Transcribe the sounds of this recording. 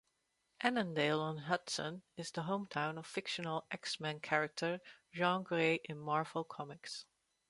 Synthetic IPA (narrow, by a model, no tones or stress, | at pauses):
ʔænə̃ndeɪlˠə̃nɦʌtsə̰̃nɨzðəɦõʊ̃mtʰãʊ̃nʌv̥fɪkʃənəl̩ˠʔɛksmæ̃nkʰɛɹɨk̚tʰə˞ʒɑ̃nɡɹeɪʔɪ̃nmɑɹvl̩ˠkʰɑmɪks